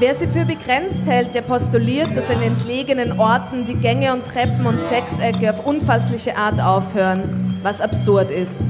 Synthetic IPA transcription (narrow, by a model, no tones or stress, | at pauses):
veːɐziːfyːɐbəɡʁɛnt͡sthɛlt̚d̥eːɐpʰɔstuliːɐt̚d̥asaɪnəɛntleːɡənənʔɔɐtn̩diːɡɛŋəʊntːʁ̥ɛpm̩ʊntsɛksɛkəaʊfʔʊnfaslɪçəʔaːɐtʔaʊfhøːʁənvasapsʊɐtɪst